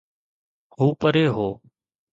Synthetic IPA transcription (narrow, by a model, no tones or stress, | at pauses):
ɦuːpəɾeːɦoː